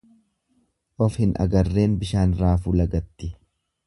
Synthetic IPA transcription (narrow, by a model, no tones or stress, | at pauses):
ʔɔfhɪnʔɐ̰ɡɐrːe̞ːnbɪʃaːnɾaːfuːlɐɡɐt̪ːɪ